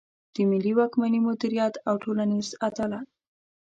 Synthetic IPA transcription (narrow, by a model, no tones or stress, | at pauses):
d̪̥əmɪliwɑkmanimʊd̪iɾijat̪awʈʰolanizat̪ala